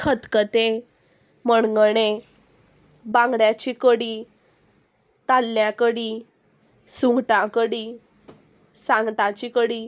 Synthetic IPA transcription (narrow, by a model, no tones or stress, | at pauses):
kʰət̪kət̪e | məɳɡəɽ̃e | bãŋɡɽjat͡ɕikəɽi | t̪alːjakəɽiː | suŋɡʈãkəɽi | sãŋɡt̪ãt͡ɕikəɽiː